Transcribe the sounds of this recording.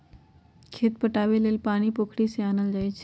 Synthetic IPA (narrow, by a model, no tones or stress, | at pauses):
kʰeːt̪̚pəʈaːʋeleːlpaːɽ̃ipoːkʰɽiseaːnəld͡ʒaːjt͡ʃʰ